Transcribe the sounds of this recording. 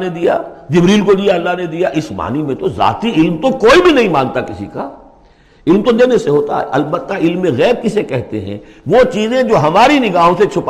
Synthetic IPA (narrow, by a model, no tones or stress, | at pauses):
ned̪ija̰d͡ʒɪbɾiːlkod̪ijaɐlːaɦned̪ijaʔɪsma̰ːnimẽt̪oza̰ːt̪iɪlmt̪okoːibʱinɐɦĩmãːnt̪akɪsḭka | ɪlmt̪od̪eːneseɦoːt̪a̰ɦɛ̰ʔɐlbət̪ːaɪlmːẽɣɛːb̚kisekɛɦt̪eɦɛ̰̃ | ʋot͡ʃiːzẽd͡ʒoːɦɐmaːɾinɪɡaːɦõset͡ʃʰʊp